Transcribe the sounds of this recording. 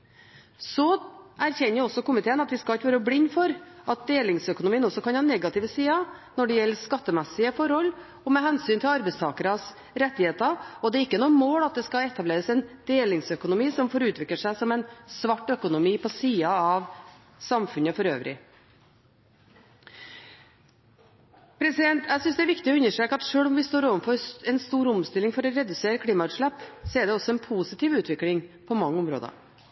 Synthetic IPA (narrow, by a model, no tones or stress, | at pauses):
sɔʔæɾçɛnːəjɔsɔkʊmɪt̪ʰeːənɑt̪ʋɪskɑlɪt̪ʋøːɾəblɪɲːfɔɾʔɑt̪̚d̪eːlɪŋsœkʊnʊmiːənɔsːɔkɑnhɑːnɛɡɑt̪ɪʋəsiːɑnɔɖɛjɛlːəskɑt̪ːəmɛsɪəfɔɾhɔlː | ɔmɛɦɛnsyːnt̪ʰɪlɑɾbɛɪst̪ʰɑːkəɾɑs | ɾɛt̪ːɪheːt̪ɑɾɔd̪ɛɪkːənuːəmoːlɑt̪̚d̪ɛskɑɛt̪ːɑbleːɾəsɛnd̪̥eːlɪŋsœkʊnʊmiːsɔmfɔɾʉːt̪ʰʋɪk̪əʂæɪsɔmɛɪnsʋɑʈːœkʊnʊmiːpʰɔsiːɑɑʋ | sɑmfʉnəfɔɾø̰ːʋɾɪ̰ | pʰɾɛsɪd̪ɛnt̪æɪsʏnsd̪ɛæɾʋɪkt̪ɪɔʉnːəʂʈɾeːkəɑt̪ʂøːɭɔmʋɪst̪oːɾoːʋənfɔɾɛnst̪uːɾʊmst̪ɪlːɪŋfɔɾɔɾɛd̪ʉseːɾəkʰɽiːmɑʉːt̪ʂɭæpːsɔɛɖɛɔsːɔɛnpʰuːsɪt̪ʰɪːʋʉːt̪ʰʋɪklɪŋpʰɔmɑŋːəɔmɾo̰ːd̪ə̰